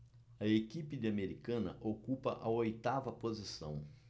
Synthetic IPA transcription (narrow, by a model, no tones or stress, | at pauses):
ɐekipɪd̪ɪɐmeɾikɐ̃nɐ̰ʔokupɐ̰ʔɐojt̪avɐpozisɐ̰̃w̃